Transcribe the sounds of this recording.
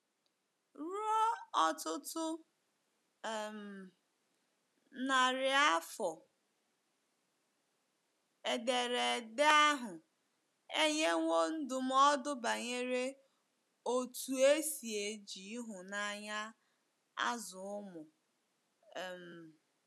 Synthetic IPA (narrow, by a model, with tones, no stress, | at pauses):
ɾu˦ɔ˦ɔ˦tʊ˦tʊ˦˨ | m̩˨ | na˨ɾɪ˨a˦fɔ˨ | e˨de˨ɾe˨de˦a˦ɦʊ˨ | e˦ɲe˦ŋʷo˦n̩˦dʊ˨m̩˦ɔ˦dʊ˦ba˨ɲe˦ɾe˦ | o˦˨tu˨e˦si˨e˨d͡ʒi˨˦ɦʊ˨na˦ɲa˦ | a̰˦zʊ˨ʊ˦mʊ˨ | m̩˨